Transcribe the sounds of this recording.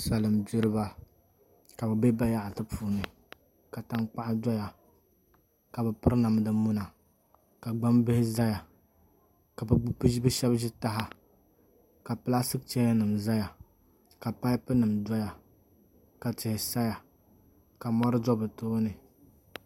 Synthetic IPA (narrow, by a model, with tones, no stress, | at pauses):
sa˨lɨ˨mbɪ˦ɾɨ˦ba˦ | ka˨bɨ˨be˦ba˦ja˦ʔa˨tɨ˦pʰuː˨nɨ˨ | ka˨ta˦ŋk͡pa˦ʔa˦dɔ˦ja˨ | ka˨bɨ˨pɨ˦ɾna˨m˦dɨ˨mu˦na˨ | ka˨ɡ͡ba˦mbɪ˦hɪ˦za˦ja˨ | ka˨bɨ˦bɨ˦ʃɛ˦bʒɪ˦ta˦ɦa˦ | ka˨pɨ˦la˦sɨ˦k̚t͡ʃɛ˦ja˦nɨ˨mza˦ja˨ | ka˨pa˦jpɨ˦nɨ˨mdɔ˦ja˨ | ka˨t͡ʃɪ˨hɪ˨sa˦ja˨ | ka˨mɔ˦ɾɨ˦d͡ʒɔ˦bɨ˨toː˦nɨ˨